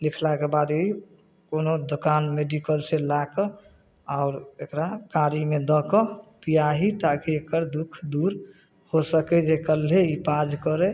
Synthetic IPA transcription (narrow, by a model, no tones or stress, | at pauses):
likʰlakebad̪ei | konod̪okanmeɖikəlselakə | aʊɾekɾakaɾimed̪əkɔpijaɦit̪akiekəɾd̪ukʰd̪uɾ | hosəkɛd͡ʒekəleipad͡ʒkəɾe